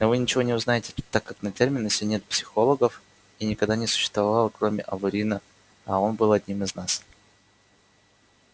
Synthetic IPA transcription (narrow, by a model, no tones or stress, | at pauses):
novɨnʲɪt͡ɕɪvo̞nʲɪʊznajɪtʲɪ̥t̪akːaknɐtʲermʲɪnəsʲɪnʲe̞t̪̚psʲɪ̥xo̞lˠəɡəf | inʲɪkɐɡd̪anʲɪsʊ̥ɕːɪ̥st̪vɐvɐvalˠəkɾo̞mʲɪ̰ʔɐvʊɾʲinə | ɐo̞nbɨlˠɐd̪ʲnʲimɨznas